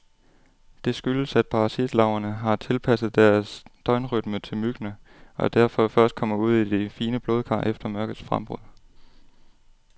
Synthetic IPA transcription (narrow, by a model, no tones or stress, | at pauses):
d̥e̝sɡ̥yləsæd̥̚pʰɑ̈ʁɑ̈sid̥lɑ̈ʊɐnəɦɑ̈t͡sʰe̝lpʰæsð̞̩ˠd̥æɐsd̥ɒ̽ɪnʁyd̥mət͡sʰe̝lmyɡ̥nəʔɒ̽d̥æɐ̰fɒ̽fɶɐsd̥̚kʰɒ̽m̰ɐuð̞̰ˠid̥e̝fiːnəb̥lo̝ːð̞ˠkʰɑ̰̈ːʔefd̥ɐmɶɐɡ̥ð̩ˠsfʁɑ̰mb̥ʁɔ̰ðˠ